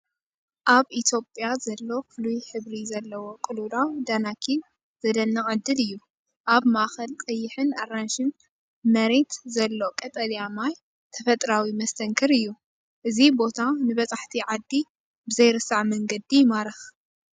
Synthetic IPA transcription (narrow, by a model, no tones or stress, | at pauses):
ʔaβit̪ʰjo̞pʼjazɐlːo̞kflujħɨβɾizɐlːɐwo̞kʼɨlud̪awd̪anakʰin | z̥ɐd̪ɐnːɐχʼɨd̪ːɨlɨjːu | ʔaβmaʔxɐlkʼɐjːɪħɨnaɾanʃɨn | mɐɾe̞t̪zɐlːo̞kʼɐt̪ʼɐljamaj | t̪ʰɐfɐt̪ʼɾawimɐst̪ʰɐŋkʰɨɾɨjːu | ʔɨzibo̞t̪ʰanɨβɐt͡sʼaħt̪ʰiʕad̪ːi | bɨzɐjɾɨsaʕmɐŋɡɐd̪ijmaɾɨx